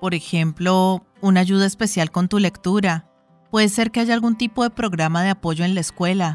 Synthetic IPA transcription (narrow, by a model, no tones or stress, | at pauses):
po̞ɾexe̞mplo̞ | unaʝuð̞aespe̞sjalko̞nt̪ule̞kt̪uɾa | pwe̞ðe̞se̞ɾke̞aʝaːlɡunt̪ipo̞ðe̞pɾo̞ɣɾamaðe̞apo̞ʝo̞enlaeskwe̞la